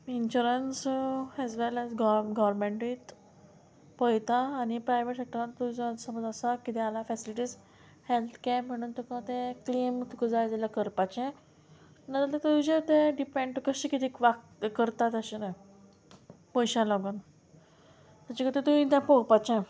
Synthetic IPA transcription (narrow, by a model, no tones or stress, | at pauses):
inɕuɾənsɛzʋɛlɛzɡɡɔʋɾmẽɳʈit̪ | pəjt̪aːnipɾajʋeʈsek̚ʈəɾat̪ːud͡zasəməd͡zasakit̪ɛalafɛsiliʈiːz | helt̪ʰkɛm̤əɽ̃uːnt̪ukat̪ẽkliːmt̪ukəd͡zajd͡zaljakəɾpat͡ɕẽ | nat̪at̪et̪ud͡ʑet̪ẽɖipẽɳɖkəɕiːkit̪ikʋak̚ | kəɾt̪at̪əɕina | pɔjɕãlɔɡən | t̪at͡ɕakət̪et̪uĩt̪jãpɔwpat͡ɕẽ